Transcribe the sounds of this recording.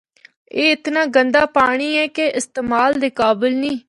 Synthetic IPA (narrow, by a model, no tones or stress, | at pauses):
eːɪt̪nãːɡənd̪aːpaːɽ̃iːɛːkeʔɪst̪eːmaːld̪eːkaːbɪlnĩː